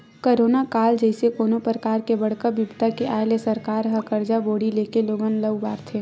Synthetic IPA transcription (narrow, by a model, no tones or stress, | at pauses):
koːɾoːnakaːld͡ʒɛɪsekoːnopɾəkaːɾkebɐɽkəbɪbt̪akeʔaːlesɐɾkaːɾɦɐkəɾd͡ʒaboːɽileːkeloːɡənləʋbaːɾt̪ʰeː